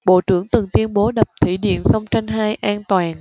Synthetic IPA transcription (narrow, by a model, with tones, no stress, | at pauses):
ɓo̰˧˨t͡ɕɨ˧˩əŋt̪ɨ˨˩ŋt̪wi˧ənɓo˨˦ɗə˨˩p̚t̪ʰḭ˧˩ɗḭ˧˨ənsə˧wŋ͡mt͡ɕa˧jŋ̟ɦaː˧jʔaː˧nt̪waː˨˩n